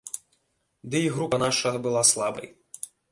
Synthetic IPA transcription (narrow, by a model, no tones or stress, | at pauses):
d̪ɨiɣɾupɐnaʂɐɣɐbɨlˠaslˠabɐ̰j